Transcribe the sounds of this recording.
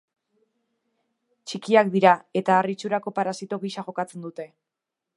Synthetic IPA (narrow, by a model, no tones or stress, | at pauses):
t͡ʃikiakd̪iɾae̞t̪aːrit͡ʃuɾako̞paɾasit̪o̞ɣiʃaʝo̞kat͡se̞nd̪ut̪e̞